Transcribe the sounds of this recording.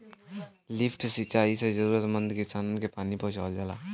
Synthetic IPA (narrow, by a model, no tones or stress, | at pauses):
lɪpʰʈsit͡ʃaːisezəɾuːɾət̪mə̃nd̪kɪsaːnənkepaːnipɔɦʊ̃t͡ʃald͡ʒaːla̰ː